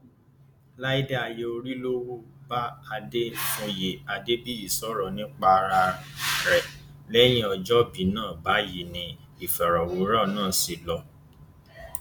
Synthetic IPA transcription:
la˦i˦da˦a˨je˧o˧ɾi˦lo˦wo˦ba˦a˧de˦mo˧je˨a˧de˦bi˦i˦˨sɔ˦ɾɔ˨nĩ˦k͡pa˧ɾa˧ɾɛ˨lɛ˦j̃ĩ˦ɔ˧d͡ʒɔ˦bi˨˦nãː˦˨ba˨˦ji˨nĩ˧ | i˨fɛ˨ɾɔ˨wo˨˦ɾɔ˦˨nãː˦˨si˨lɔ˧

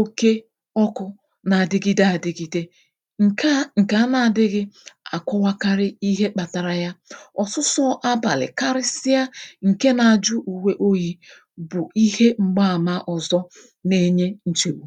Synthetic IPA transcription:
o˦ke˦ | ɔ˦kʊ˦ | na˨a˨dɪ˦ɡi˦da˨a˨dɪ˨ɡi˨de˦ | ŋ̩˨a˦ŋ̩˨ka˨a˦na˨dɪ˦ɣɪ˦a̰˨kʷɔ˦wa˦ka˦ɾɪ˦i˦ɦe˦k͡pa˨ta˨ɾa˨ja˦ɔ˨sʊ˦sɔ˦ʔa˦ba̰˨lɪ̰˨ka˦ɾɪ˦sɪ˦ja˦ŋ̩˨ke˦na˨a˨d͡ʒʊ˦ʔu˨we˦ʔo˦ji˦ | bʊ˨ʔi˦he˦ŋ͡m̩˦ɡ͡ba˦a˨ma˦ʔɔ˨zɔ˦ | ne˦ɲe˦n̩˦t͡ʃe˨u˦

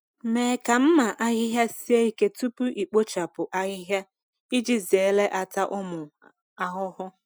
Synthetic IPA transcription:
meː˨ka˨m̩˦ma˨ʔa˦ɣɪ˦ɦja˦si˦e˦i˦ke˦tu˦pu˦ʔi˨k͡po˦t͡ʃa˨pʊ˨ʔa˦ɣɪ˦ɦja˦ | i˦d͡ʒi˦ze˨˦le˦ʔa˨ta˦ʔʊ˦mʊ˨ | a˨ɦʊ˦hʊ˦

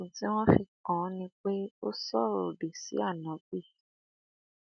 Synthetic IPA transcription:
ũ˨tĩ˦w̃ɔ̃˦fi˨kɔ̃˨˦nĩ˦k͡pe˦o˦sɔ˦˨ɾo˨ɖe˨sḭ˨˦a˦˨nã˨˦k͡pi˦˨

